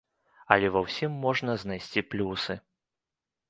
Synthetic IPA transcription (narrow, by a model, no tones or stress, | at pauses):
ɐ̰lʲɛvɐwsʲimːɔʐnɐznajsʲt͡sʲiplʲusɨ